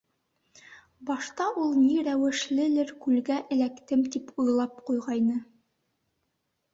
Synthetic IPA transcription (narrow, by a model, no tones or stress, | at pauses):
bɑʃt̪ɑʔulˠniɾæwɘ̆ʃlɘ̆lɘɾkʉlɡæʔɘ̆lækt̪ɘmt̪ipujlˠɑp̚qujʁɑjnɤ